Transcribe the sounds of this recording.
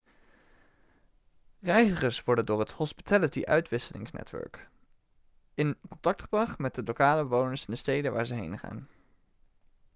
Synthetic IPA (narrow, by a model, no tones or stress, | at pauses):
rɛjzəχəɹsʋɔɹdəndʊːɹɦəthɔspi̥tʰɛlətiʔœ̰ɥtʋɪsəlɪ̰ŋsnɛ̰tʋœ̰ɹk | ɪnkɔntɑk̚tχəbrɑχmɛt̚dəlokaːləbəʋownəɹsɪndəstejdəʋaːɹzəɦejnχa̰ːn